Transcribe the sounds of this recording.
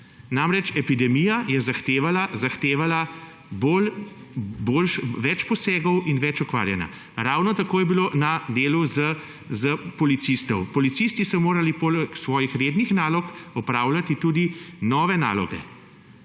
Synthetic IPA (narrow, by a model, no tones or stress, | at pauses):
namɾɛt͡ʃɛpid̪ɛmijajɛzaxt̪eːʋalazaxt̪eːʋala | bol | bolʃʋɛt͡ʃpɔseːɡɔwinʋɛt͡ʃɔkʋa̰ːɾjɛna̰ | ɾaːwnɔt̪akoːjɛbilonad̪eːluzə | zəpɔlit̪sist̪ɔwpɔlit̪sist̪isɔmoːɾalipolksʋɔːjixɾeːd̪nixnaːlɔkɔpɾaːwlat̪it̪uːd̪inɔːʋɛna̰ːlɔ̰ɡɛ̰